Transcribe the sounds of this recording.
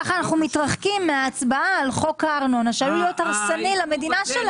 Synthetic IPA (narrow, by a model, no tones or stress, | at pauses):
aχaːnaχnumit̪ʁaχkimːeaːt͡sbaaːlχo̞kaːʁnonaʃaluljotaʁsanilame̞dinaʃel